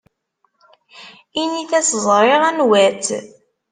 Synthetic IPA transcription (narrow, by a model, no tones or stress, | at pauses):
iniθæsəzˤɾˤeʁænwæt͡s